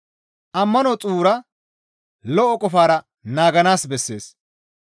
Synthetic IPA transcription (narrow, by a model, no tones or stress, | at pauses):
ʔɐmːɐnɔt͡sʼuːɾɐ | lɔʔɔkʼɔfaːɾɐ | naːɡɐnaːsbɛsːe̞̰ːs